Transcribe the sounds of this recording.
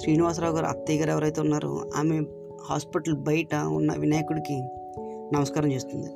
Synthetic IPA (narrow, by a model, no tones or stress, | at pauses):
ʃɾiːniʋaːs̬ɾaːwɡaːɾuɐ̰pt̪iːɡaːɾɛʋɐɾɐjt̪eunːaːɾṵa̰ːme | haːspiʈɐlbɐjɐʈɐṵnːɐ̰ʋinaːjɐkuɽiki | nɐmɐskaːɾɐmt͡ʃeːst̪und̪i